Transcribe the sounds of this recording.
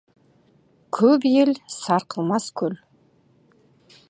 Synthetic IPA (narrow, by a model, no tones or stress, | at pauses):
kʲʰɵpjelsɑɾqʰəlˠmɑskʲʰɵl